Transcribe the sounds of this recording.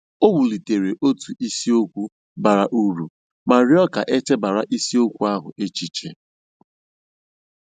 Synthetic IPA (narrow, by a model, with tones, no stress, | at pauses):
o˦wu˨li˨te˨ɾe˨ʔo˦tu˨i˦si˦o˦kʷu˦ | ba˨ɾa˨ʔu˦ɾu˨ | ma˨ɾɪ˦ɔ˦ka̰˨ʔe˦t͡ʃe˦ba˨ɾa˨ʔi˦si˦o˦kʷu˦a˦ɦʊ̰˨e˦t͡ʃi˦t͡ʃḛ˨